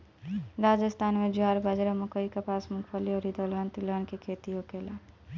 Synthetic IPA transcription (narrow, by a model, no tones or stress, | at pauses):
ɾaːd͡ʒəst̪ʰaːnmẽd͡ʒaːɾbad͡ʒɾamʊkəikapaːsmʊkʰfʰəliɔːɾid̪oːlaːnt̪ilaːnkekʰeːt̪iokeːlaː